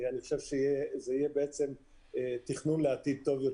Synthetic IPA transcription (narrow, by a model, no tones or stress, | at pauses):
aniχo̥ʃe̞vʃeijezeijebeet͡se̞m | et̪iχnunleat̪id̪̚t̪o̞vjo